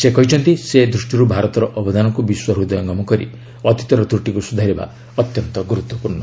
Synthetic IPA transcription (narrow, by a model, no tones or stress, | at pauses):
sekɔɦit͡ʃʰɔnt̪ised̪ɾusʈiɾubʱaɾɔt̪ɔɾɔʔɔbɔd̪anɔŋkubiswɔɦud̪ɔjɔŋɡɔmɔkɔɾḭ | ɔt̪i̥t̪ɔɾɔd̪ɾuʈikusud̪ʱaɾiba̰ | ɔt̪jɔnt̪ɔɡuɾut̪wɔpuɾɳɔ